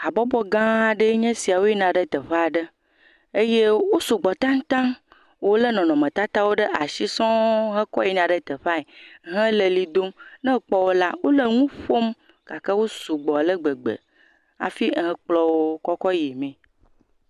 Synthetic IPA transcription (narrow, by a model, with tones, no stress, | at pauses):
a˨bɔ˦bɔ˦ɡã˦a˨ɖə˦ɲɛ̃˦si˨a˨wo˦i˦nã˨ɖə˦t̪ə˨ɸe˦a˨ɖə˦ | e˦je˦wo˦su˨ɡ͡bɔ˨t̪ã˦ŋ˦t̪ã˦ŋ | wo˦lə˦nɔ̃˨nɔ̃˨mə̃˨t̪a˦t̪a˦wo˦ɖə˦ʔa˨ʃi˦sɔ̃˦ɦə̃˦kɔ̰˦i˦nã˨ɖə˦t̪ə˨ɸa˦e˨˦ɦə̃˦lə˨li˨d̪o˦mnɛ̃˦k͡pɔ˦wo˦la˦wo˦lə˨ŋũ˦ɸo˦m | ka˨kə˦wo˦su˨ɡ͡bɔ˨lə˦ɡ͡bə˨ɡ͡bə̰˨ | a̰˨fi˦˨ɦɛ̃˨k͡plɔ˦wo˦kɔ˦kɔ˦ji˨mɛ̃˨